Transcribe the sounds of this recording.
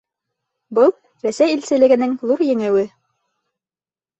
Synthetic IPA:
bɤlˠ | ɾæsæjilsɘ̆lɘ̆ɡɘ̆nɘŋlˠuɾjɘ̆ŋɘ̆wɘ

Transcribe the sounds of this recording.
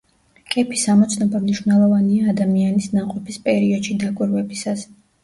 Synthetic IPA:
kʼɛpʰisamɔt̪sʰnɔbamniʃvnɛlˠɔvaniaːd̪amianisnaqʼɔpʰispʼɛɾiɔd̪ʃid̪akʼwiɾvɛbisas

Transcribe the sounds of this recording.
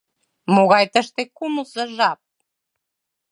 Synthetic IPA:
moɣɑjt̪əʃt̪ekumusə̆ʒɑp̚

